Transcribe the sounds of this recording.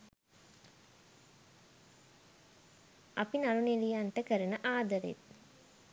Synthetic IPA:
apinalunelijanʈəkəɾənəʔaːd̪əɾḛt̪̚

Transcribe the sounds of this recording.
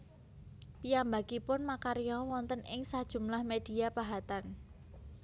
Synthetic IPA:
pijambaɡ̥ipʊnmakaɾjɔwɔnt̪ənɪŋsad̥ʒ̥ṳmlahmed̥i̤apaɦat̪an

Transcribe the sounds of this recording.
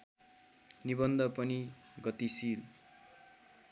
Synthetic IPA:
nibʌnd̪ʌpʌni | ɡʌt̪isil

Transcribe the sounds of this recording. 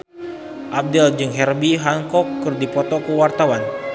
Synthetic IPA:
ʔap̚dɛld͡ʒɨŋɦɛrbiɦaŋkɔkːɨrdipɔt̪ɔkəwart̪awan

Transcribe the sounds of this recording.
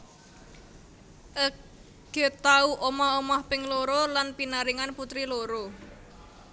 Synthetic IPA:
ʔə | ɡ̥e̤t̪auʔomaomahpɪŋloɾolanpinaɾiŋanput̪ɾiloɾo

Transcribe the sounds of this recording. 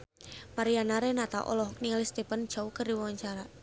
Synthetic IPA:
maɾianaɾɛnat̪a̰ʔɔ̰lɔɦɔk̚niŋalist̪epand͡ʒ̥aukərdiwawaɲt͡ʃaɾa

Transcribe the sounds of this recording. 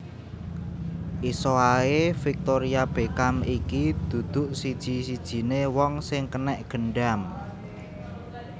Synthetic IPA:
ʔisoaefik̚t̪oɾiab̥e̤kamikid̪̥ṳd̪̥ʊ̤ʔsid̥ʒ̥i̤sid̥ʒ̥i̤newɔŋsɪŋkənɛʔɡ̥ə̤ɳɖam

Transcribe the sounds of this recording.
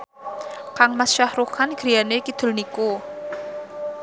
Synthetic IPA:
kaŋmasʃahɾukanɡ̥ɾijanekid̪̥ʊ̤lniku

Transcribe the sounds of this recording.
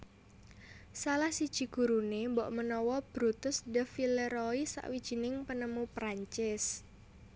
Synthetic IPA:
salahsid̥ʒ̥i̤ɡ̥ṳɾunembɔʔmənɔwɔb̥ɾut̪ʊsdəfiləɾɔisa̰ʔwid̥ʒ̥i̤nɪŋpənəmupɾaɲt͡ʃɪs

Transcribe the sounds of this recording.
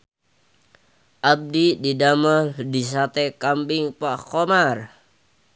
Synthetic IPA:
ʔab̚dididamaldisat̪ɛkambɪŋpakomar

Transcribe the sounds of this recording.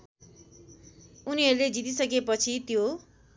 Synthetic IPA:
uniɦʌɾuled͡zit̪isʌk̬epʌt͡sʰit̪jo

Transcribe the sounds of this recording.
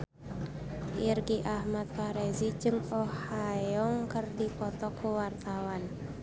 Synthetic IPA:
ʔirɡiʔahmat̪̚kaɾɛzid͡ʒɨŋɔhajɔŋkərdipɔt̪ɔkuwart̪awan

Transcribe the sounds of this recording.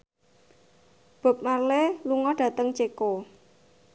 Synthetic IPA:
b̥a̤p̚marleluŋɔɖ̥ä̤t̪əŋt͡ʃeko

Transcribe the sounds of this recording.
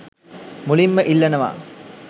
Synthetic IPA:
mulimːəʔilːɐnəʋa̰ː

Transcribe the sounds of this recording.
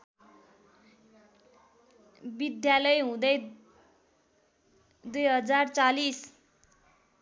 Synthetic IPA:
bid̪jalʌjɦũd̪ʌj | d̪ujɦʌd͡zart͡salis

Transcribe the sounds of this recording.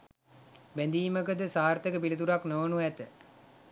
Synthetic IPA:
bænd̪iːməkəd̪əsaːɾt̪əkəpilət̪uɾaknoʋənuæt̪ə

